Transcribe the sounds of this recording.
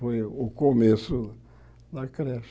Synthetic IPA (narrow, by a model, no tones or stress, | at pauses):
ojʊkomesʊ | d̪ɐkɾɛʃ